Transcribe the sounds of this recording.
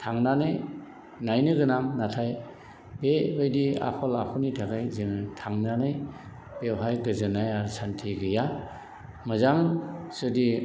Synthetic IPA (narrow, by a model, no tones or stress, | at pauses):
tʰaŋnanaj | najnɯɡɯnamnatʰaj | bebɯjdia̰kʰɔlakʰɔnitʰaɡajzɯŋɯtʰaŋnanaj | b̥ewɦajɡɯzɯnajaɾsantʰiɡɯja | mɯzaŋsɯdi